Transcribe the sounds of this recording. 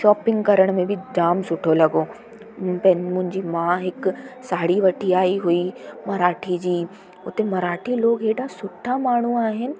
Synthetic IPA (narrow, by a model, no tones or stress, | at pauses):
ʃɔːpɪ̃ŋɡkɐɾəɽ̃mẽbʱɪd͡ʑaːmsʊʈʰolɐɡoː | pɐɪnmʊ̃ɦɪ̃ɲd͡ʑimãɦɪksaːɽiʋɐʈʰiaːiɦuimɐɾaːʈʰid͡ʑiː | ʊt̪emɐɾaːʈʰiloːɡɦeːɖasʊʈʰamaːɳ̤uaːɦɪnɪ̆